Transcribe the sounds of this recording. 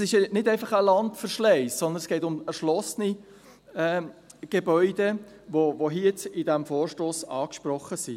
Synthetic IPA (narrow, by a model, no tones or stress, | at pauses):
sɪʃnɪdæɪfɑχəlɑntfəɾʃlɛɪsːɔnd̪ənsɡ̥ɛɪtʊmɛɾʃlɔsəni | ɛː | ɡ̥ebœʏdə | vovoɦiətɪdæmfoːɾʃtoːsɑːkʃprɔχːəsi